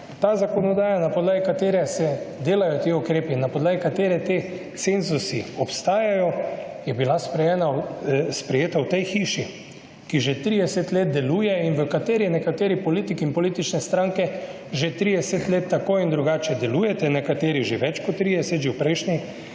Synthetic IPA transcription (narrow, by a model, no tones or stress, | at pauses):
t̪aːzakɔnɔd̪aːjanapɔd̪laːɡikat̪eːɾɛsɛd̪eːlajɔt̪eʊkɾeːpinːapɔd̪laːɡikat̪eːɾɛt̪e | senzusiɔpst̪aːjajɔjɛbilaspɾɛjɛːnaspɾɛjeːt̪awt̪ɛjxiːʃi | kiʒet̪ɾiːd̪ɛsɛt̪leːt̪̚d̪ɛluːjɛinʋəkat̪eːɾiɛnɛkat̪eːɾipɔliːt̪ikiinpɔliːt̪it͡ʃnɛst̪ɾãŋkɛ | ʒet̪ɾiːd̪ɛsɛt̪leːt̪ːakoːind̪ɾuɡaːt͡ʃɛd̪ɛluːjɛt̪ɛnɛkat̪eːɾiʒeʋɛt͡ʃkɔt̪ːɾid̪ɛsɛt̪ʒewpɾɛɪʃnɛ